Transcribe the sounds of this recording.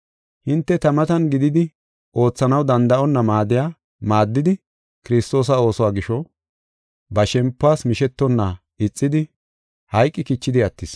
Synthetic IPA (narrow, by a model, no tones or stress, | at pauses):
hɪnt̪ːɛt̪ɐmɐt̪ɐnɡɪd̪ɪd̪ɪ | ʔo̞ːt͡sːɐnɐwd̪ɐnd̪ɐʔɔnːɐmaːd̪ɪjaː | maːd̪ːɪd̪ɪ | kɪɾɪst̪o̞ːs̬ɐo̞ːsɔwaːɡɪʃɔ | bɐʃɛmpːʊaːsmɪʃɛt̪ːɔnːa | ɪt͡sʼːɪd̪ɪ | hɐjkʼːɪkɪt͡ʃːɪd̪ɪɐt̪ːɪs